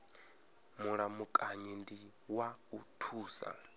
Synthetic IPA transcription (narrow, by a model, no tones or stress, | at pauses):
muɺamukʼaɲindi | wautʰuːsa̰